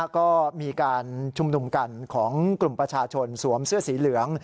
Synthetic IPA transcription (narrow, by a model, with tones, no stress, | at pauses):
kɔː˥˩miː˧kaː˧nt͡ɕʰu˧mnu˧mka˧nkʰɔː˩˦ŋklu˨˩mpɾa˧t͡ɕʰaː˧t͡ɕʰo˧nsu˩˦əmsɯ˥˩ɐsiː˩˦lɯ˩˦əŋ